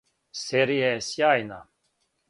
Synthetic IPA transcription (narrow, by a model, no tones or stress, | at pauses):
seɾiɛsjajna̰